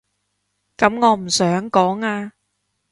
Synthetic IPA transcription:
kɐ˨˥mŋɔː˨˧m̩˨˩sœː˨˥ŋkɔː˨˥ŋaː˧

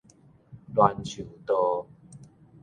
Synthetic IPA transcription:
lwa˧nt͡ɕʰu˨˩t̪ɔ˧

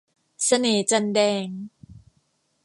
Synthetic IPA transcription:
sa˧neː˨˩˦t͡ɕa˧ndɛː˧ŋ

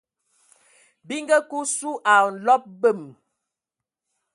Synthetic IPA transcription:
bi˦ŋɡə˦ku˦su˦ʔa˨n̩˨lɔ˦p̚bə˦˨m

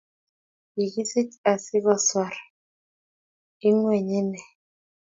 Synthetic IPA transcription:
ji˨ki˦si˦t͡ʃa˨si˦ɣɔ˦˨swa˨ɾ | i˦ŋwɛ˨ɲe˦nɛ˨

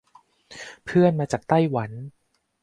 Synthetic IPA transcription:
pʰɯ˥˩ənmaː˧t͡ɕaː˨˩k̚t̪a˥˩jwa˩˦n

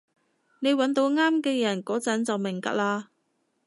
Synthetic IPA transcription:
ne˨˧jwɐ˨˥nt̪o˨˧˥wŋaː˥mkɛː˧jɐ˨˩nkɔː˨˥t͡sɐ˨˥nt͡sɐ˨wmɪ˨˩ŋt̪ɐ̰˧˥k̚laː˧

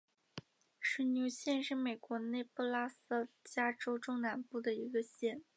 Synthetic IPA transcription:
ʂɻ̩˧˥nju˧˥ɕjɛ˥˧nʂɻ̩˥˩me˨˩ɪkwɔ˧˥ne˥˩ɪpu˥˧la˥s̩˥˩t͡ɕja˥ʈ͡ʂo˥ʊʈ͡ʂʊ˥˩ŋna˧˥npu˥˩d̪ə˩i˧˥ɡə˧ɕjɛ˥˩n

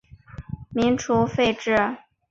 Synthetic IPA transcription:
mi˧˥ŋʈ͡ʂʰu˧˥fe˥˧ɪʈ͡ʂɻ̩˥˩

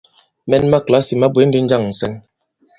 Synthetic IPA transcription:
mɛ˦nma˦˨kla˨˦si˨ma˦be˨˦n̩˦di˦n̩˦d͡ʒa˦˨ŋn̩˨sɛ˦ŋ

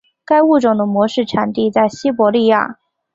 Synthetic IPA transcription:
ka˥ɪu˥˩ʈ͡ʂʊ˨˩ŋd̪ə˦mwɔ˧˥ʂɻ̩˥˩ʈ͡ʂʰa˨˩nt̪i˥˧t͡sa˥˩ɪɕi˥pwɔ˧˥li˥˧ja̰˥˩

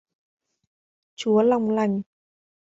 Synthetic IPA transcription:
t͡ɕu˨˦əla˨˩wŋ͡mla˨˧˩jŋ̟

